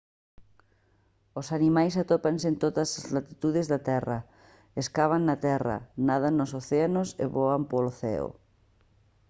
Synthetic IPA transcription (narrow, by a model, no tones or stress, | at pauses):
osanimajsat̪opansent̪oðɐsazlat̪it̪uðezðat̪ɛrɐ | eskaβ̞aŋnɐt̪ɛrɐ̰naðanosoθeanosḛβoampoloθɛ̰o̰